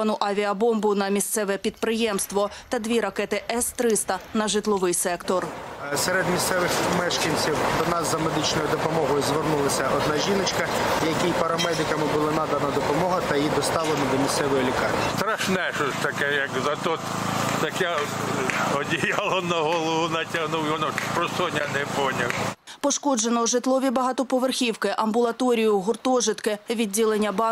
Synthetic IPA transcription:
ɐnʊʔɐʋʲiɐbɔmbʊnɐmʲist̪sɛʋɛpʲid̪̚pɾɪjɛmst̪ʋɔt̪ɐd̪ʲʋʲiɾɐkɛt̪ɪʔɛst̪ɾɪst̪ɐnɐʒɪt̪lˠɔʋɪjsɛkt̪ɔrsɛɾed̪mʲissɛʋɪxmɛʃkɐnʲt͡sʲiwd̪ɔnɑzzːɐmed̪ɪt͡ʃnɔjʊd̪ɔpɔmɔɦɔjʊzʋernulˠɐsʲɐɔd̪nɑʒʲinɪt͡ʃkɐ | jɐkʲijpɐɾɐmɛd̪ɪkɐmɪbʊlˠanɑd̪ɐnɐd̪ɔpɔmɔɦɐt̪ɐjjid̪ɔst̪ɑʋlˠenɐd̪ɔmʲist̪sɛʋɔjilʲikɑrmʲist̪ɾɐʃnɛʃɔsʲt̪ɐkɛjɐkzɐt̪ɔt̪ | t̪ɐkɛ | ɔdʲijalˠɔnɐɦɔlˠɔʋʊnɐtʲɐɦnuwjɔnɔpɾɔsɔnʲɐnɛpɔnʲɐwpɔʃkɔd͡ʒenɔʒɪt̪lˠɔʋʲibɐɦɑt̪ɔpɔʋerxʲiwkɪʔɐmbʊlˠɐt̪ɔɾʲijʊɦʊrt̪ɔʒɪt̪kɪʋʲidʲːilˠenʲːɐbɑ

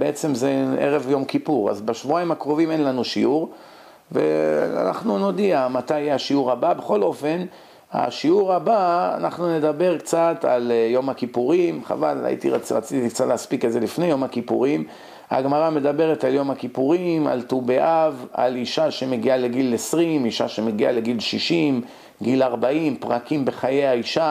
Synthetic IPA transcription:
beet͡se̞mzeʔḛʁe̞vjo̞mkipuʁa̰zbaʃvuaimakʁo̞vime̞nlanuʃiuʁ | vḛa̰na̰χnuno̞d̪iamat̪ajeaʃiuʁababeχo̞lo̞fe̞n | a̰ʃiuʁabaa̰naχnune̞d̪abe̞ʁkt͡sat̪a̰ljo̞makipuʁimχa̰vala̰jḭt̪ḭʁʁa̰t͡sitik̚t͡sat̪leːspikezelifne̞jo̞makipṵʁim | a̰ɡmaʁame̞d̪abe̞ʁet̪aljo̞makipuʁima̰lt̪ubeʔava̰liʃaʃe̞me̞ɡialeɡilesʁimiʃa̰ʃeme̞ɡia̰le̞ɡilʃiʃim | ɡilaʁbaimpʁakimbe̞χajeaiʃa

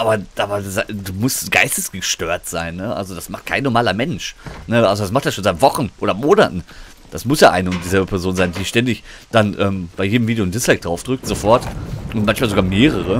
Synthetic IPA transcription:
ʔaːbɐ̥aːbɐzaduːmʊstɡ̥aɪstəsɡ̥əʃtøːɐtz̥aɪnːəʔa̰lzodasmaχt̚kʰa̰ɪnːɔɐmaːlɐmɛnʃnəʔalzodas̬maχtd̥asʃoːnzaɪtv̥ɔχn̩ʔoːɾɐmoːnatn̩ | d̥asmʊsjaːʔaɪnəʊnt̚d̥iːzɛlbəpʰɛɐzoːnzaɪndiːʃtɛndɪçd̥anʔɛːmb̥aɪjeːdmviːdejondɪslɛk̚d̥ʁaʊfd̥ʁʏk̚tz̥ofɔɐtʔʊntmançmaːlzoɡaːmeːʁ̞əʁ̞ə

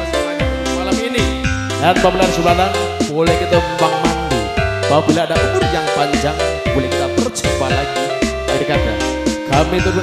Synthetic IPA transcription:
man | smalamini | danpabəlansualanb̥olɛhkit̪ampaŋmandṵpabilaadaʔumʊrjaŋpaɲd͡ʒaŋbolɛhkit̪apərd͡ʒəpalaɡi | t̪aɾikad̥a̰n | d̥amet̪uk

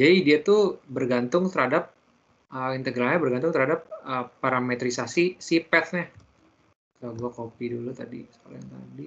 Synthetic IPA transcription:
d͡ʒadidiat̪ubərɡant̪ʊŋt̪əɾhadap̚ | əint̪əɡɾalɲabərɡant̪ʊŋt̪əɾhadap̚əpaɾamet̪ɾisasisipɛt̪ɲa | kaaɡuakopidulut̪adḭsə̥kaluant̪a̰di

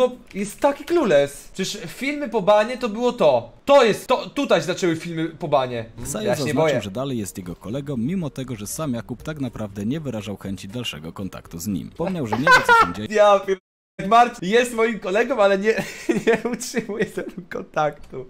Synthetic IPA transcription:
ɔjɛst̪ːakʲiklulɛspʂʂfʲilmɘpɔbaɲɛt̪ɔbɘwɔt̪ɔt̪ɔjɛst̪ːɔt̪ut̪ajzat͡ʂɛwɘfʲilmɘpɔbaɲɛfsajɛzazɲɛaɔjɨwʐɛd̪alɛjːɛst̪jɛɡɔkɔlɛɡɔmʲːimɔt̪ɛɡɔʐɛsamjakupt̪aknapɾavd̪ɛɲɛvɘɾaʐawxɛɲt͡ɕid̪alʂɛ̰ɡɔkɔnt̪a̰kt̪uzɲḭmpɔmɲawʐɛɲɛsɛɲd͡ʑɛjavɛ | ɡmaɾt̪jɛst̪mɔjimkɔlɛɡɔ̃malɛɲɛɲɛutʂɨmujɛt̪ɛɡukɔnt̪akt̪u

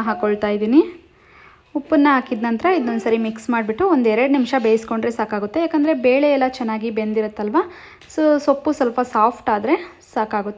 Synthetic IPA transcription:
ɦaːkoɭt̪aːjid̪iːni | upːɐnːɐɦaːkid̪nɐnt̪ɾɐid̪onusɐɾimiksmaːɖbiʈːuond̪ɛɾɐɖnimʂɐbeːjsko̞ɳɖɾesaːkaːɡut̪ːe̞jaːkɐnd̪ɐɾe̞beːɭeɛlːɐt͡ʃɛnːaːɡibe̞nd̪iɾut̪ːɐlʋa | sosopːusɐlpɐsaːpʰʈaːd̪ɾe̞ | saːkaːɡut̪ːe

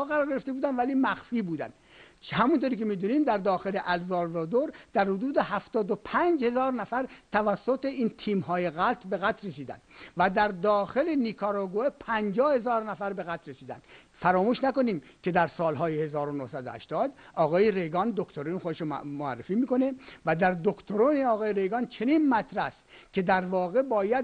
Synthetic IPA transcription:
ɒːɣæɾɔːɾɡeɾeft̪ebuːd̪ænd̪væliːmæxfiːbuːd̪æ̰nd̪ | hæmunt̪oːɾiːkemiːd̪uːniːmd̪æɾd̪ɒːxeleʔælzɒːɾzɒːd̪oɾd̪̥æɾhod̪uːd̪eɦæft̪ɒːd̪opʰænd͡ʒhe̞zɒːɾnæfæɾt̪ʰævæsːot̪eiːnt̪ʰiːmɦɒːjeɣælt̪ʰbe̞ɣæt̪resiːd̪æ̰nd̪væd̪æɾd̪ɒːxelenikʰɑɾɑɡoepʰænd͡ʒɒːhe̞zɒːɾnæfæɾbe̞ɣæt̪ɾesiːd̪æ̰nd̪ | fæɾɒːmuːʃnæko̞niːmkʰe̞d̪æɾsɒːlɦɒːjehe̞zɒːɾonohsæd̪o̰hæ̰ʃt̪ɒːd̪ɒːɣɒːjeɾe̞jɡɒnd̪okt̪ʰoɾuːnxod̪eʃomoæ̰rːefiːmiːko̞nevæd̪æɾd̪okt̪ʰoɾuːneɒːɣɒːjeɾejɡɑnt͡ʃʰe̞niːnmæt̪ɾæst̪kʲed̪æɾvɒːɣe̞bɒːjæd̪

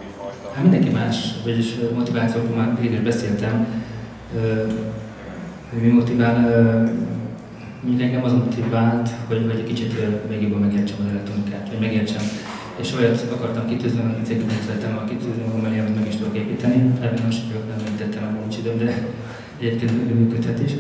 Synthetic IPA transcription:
hat̪mind̪ɛŋkimaːʃʋɒɟiʃmo̞t̪ivaːt̪sioːkolmaːiliɡiʒbɛseːlt̪ɛm | øː | hoɟmimo̞t̪ivaːn | moɲɟukɛŋɡɛmɒzmot̪ivaːlt̪ho̞ɟvɒɟɒkit͡ʃit̪ølveːɡjoboːlmɛɡeːrt͡ʃɛmɒzɛlɛk̚t̪ro̞nikaːt̪ʋɒɟmɛɡeːrt͡ʃɛm | eʃojɒt̪ɒkɒrt̪ɒmkit̪yːzniɒninseːɡikɛsɛɾɛt̪ːɛmːɒɡkit̪yːznimɒɡɒmːɛliɛmɛt̪mɛɡiʃt̪od̪okeːpiːt̪ɛniɛbinoʃkknɛmɛit̪ɛt̪ːɛmɛonit͡ʃid̪øːmd̪ɛ | ɛɟeːp̚keːnt̪øymyːkøt̪hɛt̪iʃ

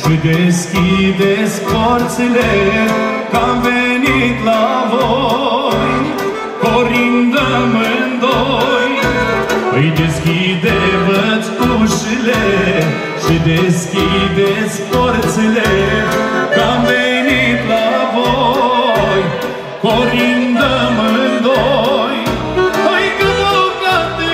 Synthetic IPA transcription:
ʃid̪eskid̪ɛspɔɾt͡silɛ | kamvɛnit̪lavo | j | kɔɾind̪əmənd̪oj | ijd̪eskid̪ɛvət͡skuʃile | ʃid̪eskʲid̪et̪sʲfoɾt̪sele | kamvenit̪lavo | j | koɾind̪əmɨnd̪oj | ojkəəwkat̪e

